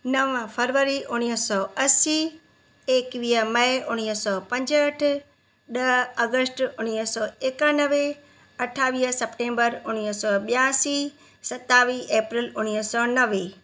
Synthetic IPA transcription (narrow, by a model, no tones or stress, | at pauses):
nɐʋə̃pʰəɾʋəɾiʔʊñiɦsɔːɐsi | eːkʋiːəmɐeʔʊñiɦsɔːpɐ̃ɲd͡ʑəʈʰ | ɗɐɐɡəsʈʊñisɔːekənəʋe | ɐʈʰaːʋiːɦəsɐpʈẽːmbəɾʊñisɔːɓjaːsi | sɐt̪aːʋiːʔeːpɾɪlʊñiɦsɔnɐʋeː